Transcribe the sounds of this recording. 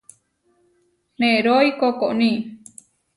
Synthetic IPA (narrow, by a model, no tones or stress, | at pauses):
mẽɾojkokoʔnĩ